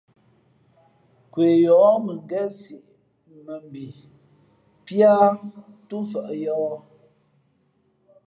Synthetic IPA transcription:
kweː˨jɔː˨˦mə˨ɡɛ˦si˨ʔ | mə˨mbi˨ | pja˦ | tu˦fə˨ʔjɔː˨˦

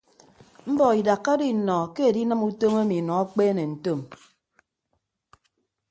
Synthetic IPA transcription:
m̩˦bɔ˨i˨da˨kːa˦do˦i˨˦nɔ˨ke˦e˨di˦nɨ˦mu˦to˦ŋe˦mi˨nɔ˨a˦k͡peː˦ne˨n̩˨to˦˨m

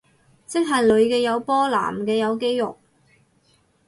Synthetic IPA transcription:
t͡sɪ˥k̚ɦɐ˨jlɵ˨˧ɥkɛː˧jɐ˨˧wpɔː˥la̰ː˨˩mkɛː˧jɐ˨˧wke˥jːʊ̰˨˩k̚

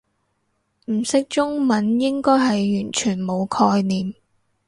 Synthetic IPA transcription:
m̩˨˩sɪ˥k̚t͡ʃʊ˥ŋmɐ˨˥njɪ˥ŋkɔː˥jɦɐ˨jːyː˨˩nt͡ʃʰyː˨˩nmo˨˧wkʰɔː˧jniː˨m

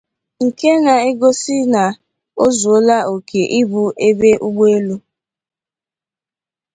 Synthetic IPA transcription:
ŋ̩˨ke˦na˨e˦ɡo˦si˦na˨ | o˦zu˨o˦la˦o˨kʰe˨ʔi˦bu˦e˦be˦ʔu˦ɡ͡be˦e˦lu˦

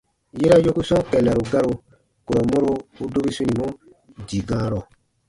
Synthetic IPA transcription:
je˦ɾa˦jo˦ku˦sɔ̃˦kɛ˨la˨ɾo˨ɡa˦ɾo˨ | ko˨ɾɔ˨mo˦ɾo˦u˦do˦bi˦sũ˦nĩ˨mõ˦ | di˨ɡã˦ɾɔ˨

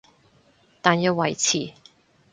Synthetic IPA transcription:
t̪aː˨njiː˨˧wɐ˨˩jt͡sʰiː˨˩

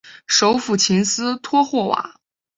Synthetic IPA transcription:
ʂo˧˥ʊfu˨˩t͡ɕʰi˧˥ŋsɹ̩˥t̪ʰwɔ˥xwɔ˥˩wa̰˨˩˦

